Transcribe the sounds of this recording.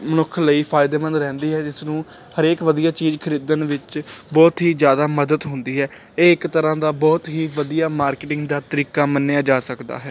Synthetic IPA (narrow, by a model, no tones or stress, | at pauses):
mənʊkʰːləiːpʰaːɪd̪eːmə̃nd̪ɾɛ̃ːnd̪iːɦɛːd͡ʒɪsnũː | həɾeːkʋəd̪ijaːt͡ʃiːzkʰəɾiːd̪ənʋɪt͡ʃbɔːt̪ɦiːzjaːd̪aːməd̪əd̪ɦʊnd̪iːɦɛː | eːɪkt̪əɾãːd̪aːbɔːt̪ɦiːʋəd̪ijaːmaːɾkeʈɪ̃ŋɡd̪aːt̪əɾiːkaːmənːejaːd͡ʒaːsəkd̪a̰ːɦɛː